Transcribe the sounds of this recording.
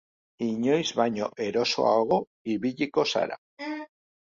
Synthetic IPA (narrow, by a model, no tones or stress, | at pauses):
iɲojzβaɲoʔeɾoso̰aɣo | iβiʎikosa̰ɾa̰